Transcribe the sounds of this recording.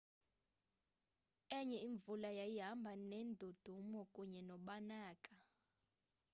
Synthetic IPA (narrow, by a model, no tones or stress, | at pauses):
ɛɲɛiɱvulajajiɦambʱanɛndʱod̥ʱumɔkʼuɲɛnɔɓanaːkʼa